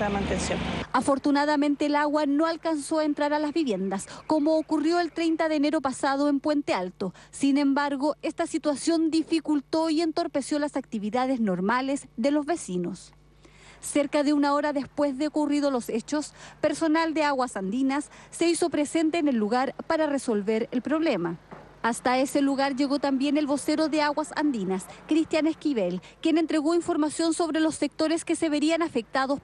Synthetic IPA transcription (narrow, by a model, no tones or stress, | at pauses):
amãnt̪ensjonafo̞ɾt̪unaðamẽ̞nt̪eːlaɣwanoalkanso̞aent̪ɾaɾalazβiβje̞nd̪askomoːkurjo̞elt̪ɾejnt̪aðeːneɾopasaðoempwe̞nt̪ealt̪osine̞mbaɾɣo̞est̪asit̪wasjo̞nd̪ifikult̪oie̞nt̪o̞ɾpe̞sjo̞lasak̚t̪iβiðaðeznoɾmalesðelo̞zβe̞sinosː | eɾkaðeunaoɾaðespwezðeokurið̞olo̞set͡ʃo̞spe̞ɾso̞nald̪eaɣwasand̪inasːe̞iso̞pɾesent̪eːnelːuɣaɾpaɾareso̞lβe̞ɾelpɾo̞βlema | ast̪aeseluɣaɾʝe̞ɣo̞t̪ambje̞nelβo̞seɾo̞ðeaɣwasa̰nd̪inaskɾist̪janeskiβelkje̞ne̞nt̪ɾe̞ɣoiɱfo̞ɾmasjo̞nso̞βɾelo̞sːek̚t̪o̞ɾeskeseβeɾianafek̚t̪aðos